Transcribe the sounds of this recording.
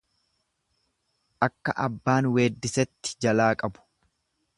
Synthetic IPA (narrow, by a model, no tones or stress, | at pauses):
ʔɐkːɐʔɐbːaːnwe̞ːd̪ːɪsɛt̪ːɪ̥d͡ʒɐlaːkʼɐbʊ̥